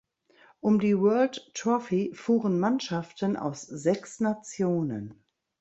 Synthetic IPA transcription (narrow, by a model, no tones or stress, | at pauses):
ʔʊmdiːwɜɐlttʁɔfifuːʁənmanʃaftənʔa̰ʊszɛksnat͡sjoːnə̰n